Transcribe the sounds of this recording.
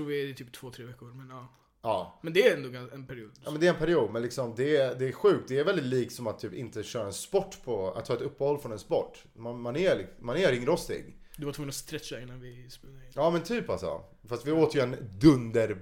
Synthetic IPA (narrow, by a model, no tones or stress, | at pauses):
ɾuːvɪt̪ʰyːp̚t̪ʰv̥oːt̪ʰɾeːvɛkːʊɾmɛnɑː | ɑːmɛnd̪ɛæɾɛnd̪oːɡaɛnpʰæɾɪuːd̪amɛnd̪ɛɾɛnpʰæɾɪuːd̪̚mɛnlɪksɔmd̪ɛd̪ɛːɾɧʉ̟ːk̚t̪̚d̪ɛæɾvɛld̪ɪt̪liːk̚t̪sɔmat̪ʰːyːpɪnt̪əɕœːɾaɛnspɔʈːpʰɔa̰t̪ʰːɑːɛt̪ɵpːəhɔlːfɾɔnɛnspɔʈː | manmanælɪmanæɾɪŋːɾɔst̪ɪ̰ɡd̪ɵvat̪ʰːɡɵnɾast̪ʰɾɛt̪ːaɾɪnːanvɪspɛd̪ɪɑːmɛnt̪ʰyːpalsɔ̰ | fast̪vɪoːt̪əjɵɛnd̪ɵnd̪əɾ